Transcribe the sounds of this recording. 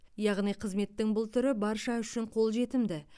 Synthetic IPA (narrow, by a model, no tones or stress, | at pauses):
jɑʁnijqʰəzme̞t̪ːɪŋbʊlˠt̪ʰʏɾɪbɑɾʃɑʏʃɪɴqʰo̞lˠʒe̞t̪ɪmd̪ɪ